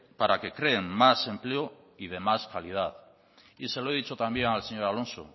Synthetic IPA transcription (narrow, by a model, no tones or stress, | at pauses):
paɾake̞kɾe̞ːŋmase̞mpleo | ið̞e̞maskalið̞að | ise̞loeð̞it͡ʃot̪ambjeŋalseɲo̞ɾalõ̞nso̰